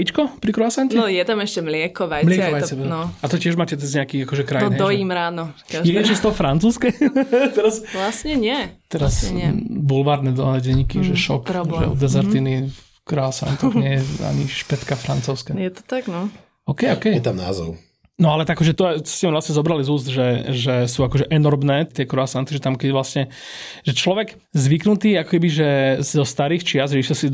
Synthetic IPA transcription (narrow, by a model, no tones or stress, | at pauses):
it͡ʃkɔpɾikɾɔasaɲcnɛɔjɛt̪amɛʃcɛmlɪɛkɔʋajmlɪɛkɔʋajt͡sɛɛnɔat̪ɔcɪɛʒmaːcɛt͡sɛzɲɛakiakɔʒɛkɾaj̪ɔd̪ɔjimɾaːnɔ | jɛɛt͡ʃɛst̪ɔɦɔfɾant͡suːskɛt̪ɛɾasʋlasɲɛɲɪɛt̪ɛɾasɲɛbulʋaːɾnɛd̪ɔnɛɟɛɲːikiʒɛʃɔ̰kɾɔbɛ̰d̪ɛzɛɾt̪ini | kɾɔasa̰nt̪ɔxɲɪɛjɛa̰ɲiʃpɛt̪kafɾant͡sɔʊskajɛt̪ɔ̥t̪aɡnɔ | ɔːkɛjɔkɛjjɛt̪amna̰ːzɔ̰ʊ | nɔalɛt̪akːɔʒɛt̪ɔɛtscɛmilasɲɛzɔbɾalizuːszt̪ʒɛʒɛsuːakɔʒɛʔɛnɔɾmnɛːt̪ɪɛkɾɔasant̪iʒɛt̪amkɛɟʋlasɲɛ | ʒɛt͡ʃlɔʋɛɡ | zʋiknut̪iːakɔ̥kɛbiʒɛzɔst̪aɾiːxt͡ʃɪazʒɛisɛsi